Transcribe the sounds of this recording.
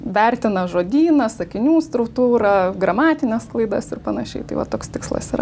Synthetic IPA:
ʋʲæɾʲt̪ʲɪnɐʒoːd̪ʲiːnɐsɐkʲɪnʲuːst̪ɾʊkt̪uːɾɐɡɾɐmɑːt̪ʲɪnʲɛsklˠɐɪd̪ɐsɪrpɐnɐʃʲɛ̰ɪt̪ɐɪʋɐ̰t̪oːkst̪ʲɪkslˠɐ̰siːɾɐ̰

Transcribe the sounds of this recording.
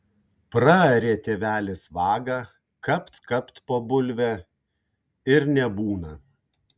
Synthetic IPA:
pɾɐɾʲeːt̪ʲeːʋʲæːlʲɪsʋɑːɡɐ | kɐpt̪kɐpt̪poːbʊlʲʋʲɛ | ɪɾnʲɛbuːnɐ

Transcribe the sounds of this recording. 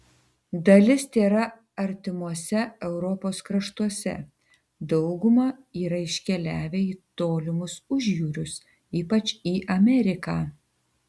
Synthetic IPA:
d̪ɐlʲɪst̪ʲeːɾɐ | ɐɾʲt̪ʲɪmuɔsʲɛɛʊɾɔpoːskɾɐʃt̪uɔsʲɛ̰ | d̪ɒʊɡʊmɐiːɾɐɪʃʲkʲɛlʲæːʋʲeiːt̪oːlʲɪmʊsʊʒʲjuːɾʲʊs | iːpɐt͡ʃiːʔɐmʲɛɾʲɪkɑː

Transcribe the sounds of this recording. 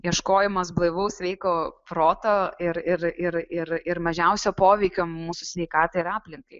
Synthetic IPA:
jiɛʃkoːjɛmɐs̬blˠɐɪʋɐʊsʋʲɛɪkoːpɾoːt̪oɪɾɪɾɪɾɪɾɪɾmɐʒʲɛʊsʲoːpoːʋʲɛɪkʲoːmuːsʊsʲʋʲɛɪkɑːt̪ɐɪɪɾɑːpʲlʲɪŋkɐɪ

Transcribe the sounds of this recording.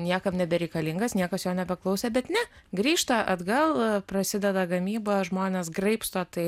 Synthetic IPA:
nʲiɛkɐmnʲɛbʲɛɾʲɛɪkɐlʲɪŋɡɐsnʲiɛkɐsjoːnʲɛbʲɛklˠɐʊsʲɛbʲɛt̪nʲɛ | ɡɾʲiːʃt̪ɐʔɐd̪ɡɐlˠprɐsʲɪd̪ʲɛd̪ɐɡɐmʲiːbɐːʒmoːnʲeːsɡrɐɪpst̪oːt̪ɐɪ

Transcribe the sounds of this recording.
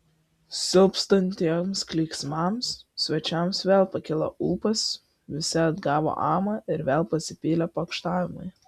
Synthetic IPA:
sʲɪlˠpst̪ɐnʲt̪ʲiɛmsklʲiːksmɑmssʲʋʲɛt͡ʃʲɛmsʋʲeːlˠpɐkʲɪlˠɐ̰ʔuːpɐs | ʋʲɪsʲɪɐd̪ɡɑːʋo̰ʔɑːmɐɪɾʋʲeːlˠpɐsʲɪpʲiːlʲɛpɐkʃt̪ɑːʋʲɪmʊ̰ɪ

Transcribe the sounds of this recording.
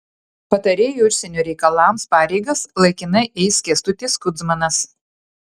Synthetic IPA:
pɐt̪ɐɾʲeːjuʊʃʲsʲɛnʲuːˑɾʲɛɪkɐlˠɑːmspɑːɾʲɛɪɡɐslˠɐɪkʲɪnɐɪʔɛɪskʲiɛst̪ʊt̪ʲɪːskʊd̪zmɐnɐs

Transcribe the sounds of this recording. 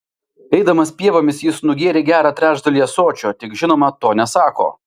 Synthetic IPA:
ɛɪd̪ɐmɐspʲiɛʋoːmʲɪsjɪsnʊɡʲeːɾʲeːɡʲæːɾɑːt̪ʲɾʲæːʒd̪ɐlʲijɛsoːt͡ʃʲoːt̪ʲɪkʒʲɪnoːmɐt̪oːnʲɛsɑːko̰ː

